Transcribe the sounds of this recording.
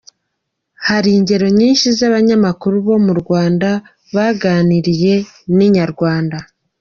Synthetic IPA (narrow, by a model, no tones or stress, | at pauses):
haɾiːɲɟe̞ɾo̞ɲiːnʃizaβaɲamakuɾuβo̞muɾɡwaːnda | βaɡaːniɾije̞ | niɲaɾɡwaːnda